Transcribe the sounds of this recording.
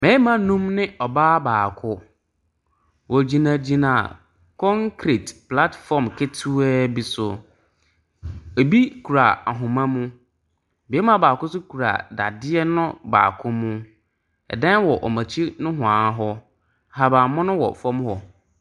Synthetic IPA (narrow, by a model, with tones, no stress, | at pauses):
mɛ̃˨˦mã˨nũ˦mnɪ̃˦ɔ˨baː˦baː˨kʰʊ˦ | wɔ˨d͡ʑi˨nã˨d͡ʑi˨nã˨ | kʰɔ̃˦ŋkʰɾe˨tpla˦tfɔ˨mkʰe˦tʰu˦ɛ˦bi˨sʊ˨ | e˨bi˦kʰu˨ɾa˨a˨ɦʊ̃˨mã˦mũ˦˨ | bi˨˦ɛ˦mã˦baː˨kʊ˦sʊ˦kʰu˨ɾa̰˨da̰˨dɪ˦ɛ˦nʊ̃˦ba̰ː˨kʰʊ˦mʊ̃˦ | ɛ̰˨dã˦n˦wɔ˨ʔɔ̰˨mã˨t͡ɕʰi˦nʊ̃˦ɦʊ̃˨ã˨˦ɦɔ˦˨ | ɦa˨baː˨mʊ̃˦nʊ̃˦wɔ̰˨fɔ̃˦mhɔ˨